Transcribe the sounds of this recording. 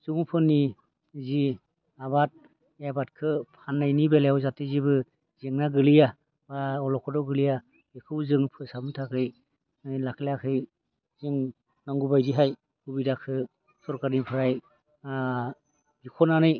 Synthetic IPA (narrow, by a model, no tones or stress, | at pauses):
z̥uŋpʰɯnːi | zi | abat̚ | abatkʰɯpʰanːajnibelejawzatezibɯ | zeŋnaɡɯlija | aɔlɔkʰɔdɔɡɯlija | ekʰɯwzɯŋpʰɯsamɯtʰakʰɯj | lakʰlakʰɯj | ziŋ | naŋɡubajziɦaj | ubidakʰɯ | sɔɾkaɾipʰɯɾaj | zikʰɔnanɯj